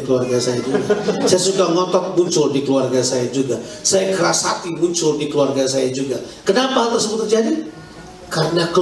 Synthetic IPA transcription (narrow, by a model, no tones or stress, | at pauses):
kəluarɡasajad͡ʒuɡasajasukaŋɔt̪ɔk̚muɲt͡ʃʊldikəluarɡasajad͡ʒuɡa | sajakəɾasat̪imuɲt͡ʃʊldikəluarɡasajad͡ʒuɡakənapaɦalt̪ərsəbʊt̪̚ːərd͡ʒadi | kaɾənakə